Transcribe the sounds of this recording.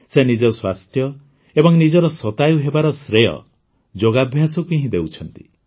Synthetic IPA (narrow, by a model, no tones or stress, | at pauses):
senid͡ʒɔswast̪ʰjɔ | ebɔŋnid͡ʒɔɾɔsɔt̪ajuɦebaɾɔsɾejɔ̰ | d͡ʒoɡabʱjasɔkiɦĩd̪ewt͡ʃʰɔnt̪i̥